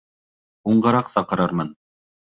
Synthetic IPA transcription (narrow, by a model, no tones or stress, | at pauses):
uɴɢɤ̆ɾɑqsɑqɤ̆ɾɑɾmɤn